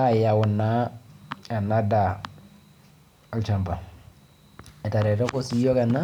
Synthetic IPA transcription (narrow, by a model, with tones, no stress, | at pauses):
a˦ja˨wʊ˨nːa˦ | a˨na˦da˨ | a˨lt͡ʃa˨mba˨ | ɛ˨ta˨ɾɛ˨tɔ˦kɔ˦si˦jo˦ka˨na˦